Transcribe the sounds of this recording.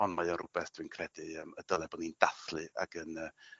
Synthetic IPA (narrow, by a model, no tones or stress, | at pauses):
ɔnmajɔɾʊbɛθd̥vɨnkʰrɛdɨəmədəlˠɛbɔnindaθlˠɨa̰ɡənə